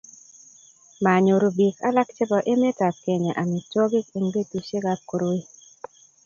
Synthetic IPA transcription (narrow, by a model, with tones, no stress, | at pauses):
ma˨ɲo˨ɾu˨bi˨ka˦la˦kt͡ʃe˦bɔ˨ʔe˦me˦ta˨p̚ke˨ɲe˨ʔa˨mi˨t͡ʃɔ˦ɡɪ˦ke˨ŋɡe˦tu˨ʃe˦ɡa˦p̚ko˨ɾo˦i˦